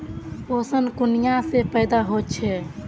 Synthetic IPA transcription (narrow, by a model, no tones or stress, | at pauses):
osənkunijasepəjd̪aɦot͡ʃʰɛ